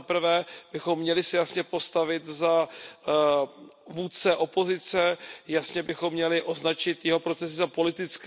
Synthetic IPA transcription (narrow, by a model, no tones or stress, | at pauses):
apɾ̩vɛːbɪxo̞mːɲɛlɪsɛjasɲɛpo̞st̪avɪt̪za | vuːt͡sɛʔo̞po̞zɪt͡sɛjasɲɛbɪxo̞mːɲɛlɪʔo̞znat͡ʃɪt̪jɛɦo̞pɾo̞t͡sɛs̬ɪzapo̞lɪt̪ɪt͡sk